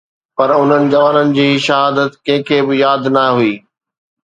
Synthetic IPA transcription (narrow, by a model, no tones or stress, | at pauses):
pɐɾʊn̤ənɪ̆d͡ʑɐʋaːnənɪ̆d͡ʑiːʃɐɦaːd̪ət̪kɐ̃ɦɪ̃kʰeːbɪjaːd̪nɐɦuiː